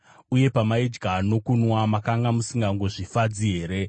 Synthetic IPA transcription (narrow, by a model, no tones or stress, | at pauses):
uje̞pamaid͡ʒɡʱano̞kunwamakaŋɡamusiŋɡaŋɡo̞ʐifad͡ziɦe̞ːɾe̞